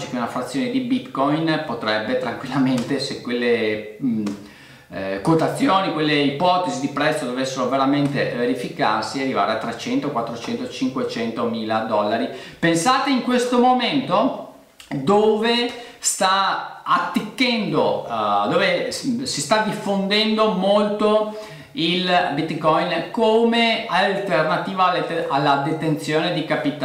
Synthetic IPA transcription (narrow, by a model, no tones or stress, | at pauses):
t͡ʃikeunafɾat̪sːjoːned̪ibit̪kɔjnpot̪ɾɛbːet̪ɾaŋkwilːament̪esekwelːe | kot̪at̪sːjoːnikwelːeipɔt̪ezid̪ipɾɛt̪sːod̪ovesːeɾoveɾament̪eveɾifika̰rsiarːiva̰ːɾeat̪ːɾet͡ʃɛnt̪okwat̪ːɾot͡ʃɛnt̪ot͡ʃiŋkwet͡ʃɛnt̪omiːlad̪ɔlːaɾipensaːt̪eiŋkwest̪omoment̪o | d̪oːvest̪aat̪ːikːɛnd̪od̪oːvesist̪ad̪ifːond̪ɛnd̪omolt̪o | ilbit̪kɔjnkomealt̪ernat̪iːvalalːad̪et̪ent̪sjoːned̪ikapit̪a